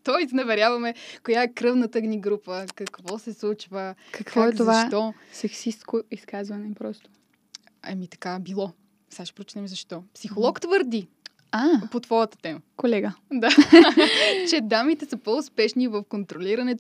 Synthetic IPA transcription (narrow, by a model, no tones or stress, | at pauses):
t̪ɔjsnɐvɛɾʲjavɐmɛkojaɛkɾɤvnət̪əɡniɡɾupəkɐkvɔsɛslˠut͡ʃvəkɐkvɔaɛzovaʃt̪ɔsɛksist̪koiskazvɐnɛpɾɔst̪o̥ | ɛ̰mit̪ɐ̥kabilˠɔ | saʃɛ̥pɾot͡ʃi̥t̪ɛmzɐʃt̪ɔpsixolˠɔkt̪vəɾd̪i | apot̪vɔjət̪ə̥t̪ɛməkolɛɡəd̪a | t͡ʃɛd̪amit̪ɛsəpoʊspɛʃnivɐfkont̪ɾoliɾɐnɛt̪